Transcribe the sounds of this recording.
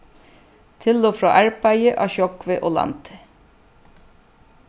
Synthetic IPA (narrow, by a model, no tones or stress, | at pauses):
t̪ʰɪloːfɹɑ̰ːʔæɹpæɪjəʔɑ̰ːɕɔkʋɪʔoːlɑ̰nt̪ʰə̥